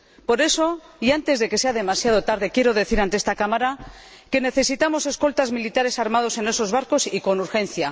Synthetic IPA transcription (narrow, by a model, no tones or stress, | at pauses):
po̞ɾe̞so̞iant̪e̞zðe̞ke̞se̞aðe̞masjað̞o̞t̪aɾðe̞kje̞ɾo̞ðe̞θiɾant̪eest̪akamaɾa | ke̞ne̞θe̞sit̪amo̞se̞sko̞lt̪azmilit̪aɾe̞saɾmað̞o̞se̞ne̞so̞zβaɾko̞siko̞nuɾxe̞nθja